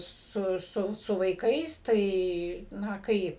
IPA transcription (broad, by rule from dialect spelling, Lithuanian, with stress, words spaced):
ˈsʊ ˈsʊ sʊ ʋɐɪˈkɐɪs ˈtɐɪ ˈnɐ ˈkɐɪp